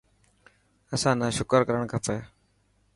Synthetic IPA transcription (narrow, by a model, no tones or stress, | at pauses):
əsãːnaːʃʊkəɾkəɾəɳkʰəpʰeː